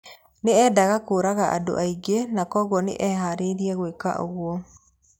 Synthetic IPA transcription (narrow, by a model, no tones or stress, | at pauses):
neɛdaɣakoːɾaɣaʔa̰do̰ʔaiɡenakɔɣɔnḛʔɛɦaɾeɾiɛɣweka̰ʔo̰ɣwɔ